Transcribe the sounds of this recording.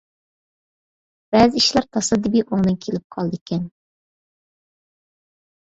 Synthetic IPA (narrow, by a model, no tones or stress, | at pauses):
b̥ɛːzɪiʃlæɾt̪ʰɑsɨd̪ɪbiʔoŋd̪ɨŋkʲʰelɪp̚qʰɑlˠd̪ɨkʲʰɛn